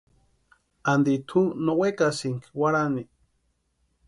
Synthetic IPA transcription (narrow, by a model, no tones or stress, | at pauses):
and̪it̪ʰunowekasiŋkwaɾani